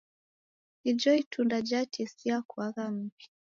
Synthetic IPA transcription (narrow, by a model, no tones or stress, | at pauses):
id͡ʒɔitundad͡ʒatʰisiakuaɣam̩pi̥